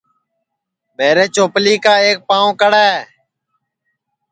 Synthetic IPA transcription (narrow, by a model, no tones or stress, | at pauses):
ɓeːɾeːt͡ʃoːpliːkaːeːk̚pãːõːkəɽɛː